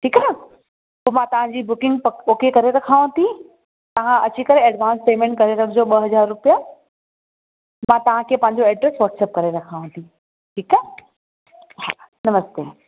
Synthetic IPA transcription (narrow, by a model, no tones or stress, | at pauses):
ʈʰiːka | poːmãt̪ɐʋ̤ãɲd͡ʑiːbʊkɪ̃ŋɡpoːkekɐɾeɾɐkʰaːʋãt̪ʰi | t̪ɐʋ̤ãʔɐt͡ɕikɐɾeɐɖʋãːnspeːmẽːɳʈ̚kɐɾeɾɐkʰd͡ʑoːɓɐɦɐd͡ʑaːɾːʊpija | mãt̪ɐʋ̤ãkʰeːpɐ̃ɦɪ̃ɲ̆d͡ʑoɛːɖɾesʋɐːʈseːp̚kɐɾeɾɐkʰaːʋãt̪ʰi | ʈʰiːkə | ɦanɐməst̪ḛː